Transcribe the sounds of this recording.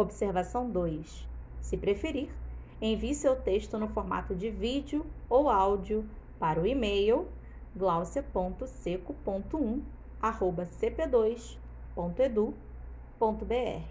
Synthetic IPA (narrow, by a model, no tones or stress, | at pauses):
obiseɾvasɐ̃w̃d̪ojssɪpɾefeɾiɾ | ẽviɪsewt̪eʃt̪ʊnʊfoɾma̰t̪ʊd͡ʒɪvid͡ʒiʊowawd͡ʒiʊpaɾɐʊimejw | ɡlawsiɐpõnt̪ʊsekʊpõnt̪ʊũ | ahobɐseped̪ojs | põt̪ʊed̪u | põnt̪ʊbeɛ̰hɪ